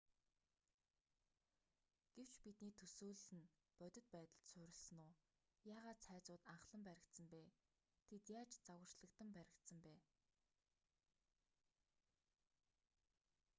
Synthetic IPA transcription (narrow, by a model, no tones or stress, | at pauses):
ɡ̥ew̥t͡ɕpit̪niːt̪ʰɵsuːɮsɘ̆n | pœt̪ʲɵ̆t̪̚pæːt̪ə̆ɮt̪sʊːɾʲɪ̆ɮsɘ̆nʊː | jaːʁaːt̪sʰæːt͡sʊːt̪aɴχɮə̆mpæɾʲɪ̆kt̪sə̆mpeː | t̪ʰet̪jaːt͡ɕt͡sawə̆r̥t͡ɕɮə̆kt̪ə̆mpæɾʲɪ̆kt̪sə̆mpæː